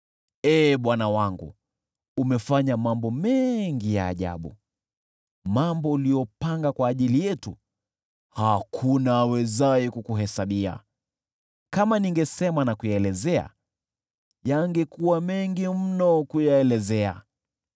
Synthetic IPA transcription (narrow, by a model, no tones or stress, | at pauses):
ɛːɓwanawaŋɡṵ | umɛfaɲamambɔmɛŋɡija̰ːʄa̰ɓṵ | mambɔulijɔpaŋɡakwaːʄilijɛtu | hakʰunaːwɛzaɛkukuɦɛsaɓia̰ | kamaniŋɡɛsɛmanakujaɛlɛzɛa̰ | jaŋɡɛkuwamɛŋɡim̩nɔkujaɛlɛzɛa̰